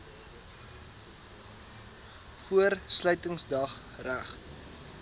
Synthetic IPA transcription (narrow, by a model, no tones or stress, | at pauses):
fuərslœɥtəŋsdɐχ | ræχ